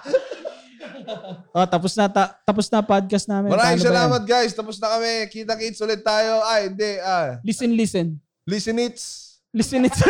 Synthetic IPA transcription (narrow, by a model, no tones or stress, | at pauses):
ʔot̪ɐposnɐt̪at̪ɐposnɐpad̪̚kɐsnaːmɪ̃mɐɾaːmɪŋɐsɐlaːmɐt̪̚ɡajst̪ɐposnɐkɐmɛkiːt̪̬ɐkit̪sʔʊlɪt̪̚ːaːjo̞ʔajɪnd̪ɛʔalɪsɪnlisɛn | lisɪnɪt̪s | lɪsɪnɪt̪s